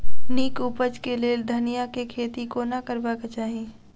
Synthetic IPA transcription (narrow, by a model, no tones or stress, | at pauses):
niːkuːpəd͡ʒkeleːld̪ʱənijakekʰeːt̪ikonakəɾbakat͡ʃaːɦi